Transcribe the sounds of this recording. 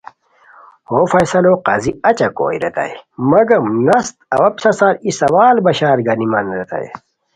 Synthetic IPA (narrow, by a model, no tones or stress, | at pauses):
hoːfɐjsɐloːqaːziɐt͡ɕɐko̰ːiɾḛt̪a̰jmɐɡɐmnɐst̪̚ɐ̰wɐpsɐsaːɾisɐwaːlbɐɕaːɾɡɐnimɐnɾet̪a̰jḛ